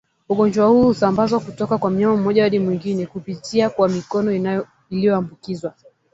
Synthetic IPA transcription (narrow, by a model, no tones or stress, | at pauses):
uɠɔnd͡ʒwahuːhusambazwakutɔkakwam̩ɲamam̩mɔʄawaɗimwiŋɡinɛkupitʰiakwamikɔnɔ | ilijɔambukizwa